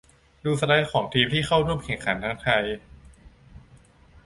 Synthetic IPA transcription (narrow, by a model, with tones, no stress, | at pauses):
duː˧sa˧da˦˥jkʰɔː˩˦ŋt̪ʰiː˧mt̪ʰiː˥˩xʰa˥˩wɾu˥˩əmkʰɛ˨˩ŋkʰa˩˦nt̪ʰaː˧˥ŋt̪ʰa˧j